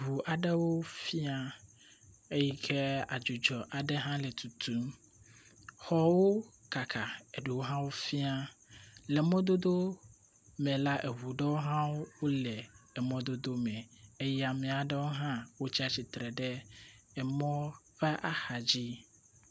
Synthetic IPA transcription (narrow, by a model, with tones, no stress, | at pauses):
ɦu˨ʔa˨ɖɛ˦wo˦fi˦a˦ | e˦ji˦kʰɛ˦a̰˨d͡ʒu˨d͡ʒɔ˨ʔa˨ɖɛ˦ɦã˦lɛ˨t̪ʰu˨t̪ʰu˦m | xɔ˨wo˦ | ka˨kʰa˨e˨ɖu˨wo˦ɦã˦wo˦fi˦a˦lɛ˨mɔ̃˦d̪o˦d̪o˦ | mɛ̃˨la˦ʔe˨ɦu˨ɖɛ˦wo˦ɦã˦wo˦wo˦lɛ˨ɛ˨mɔ̃˦d̪o˦d̪o˦mɛ̃˨e˦ja˨mɛ̃˨a˨ɖɛ˦wo˦ɦã˦wo˦t͡ɕi˦a˦t͡ɕi˨t̪ɾɛ˨ɖɛ˦ | ɛ˨mɔ̃˦ | ɸɛ˦ʔa˦xa˨d͡ʑi˦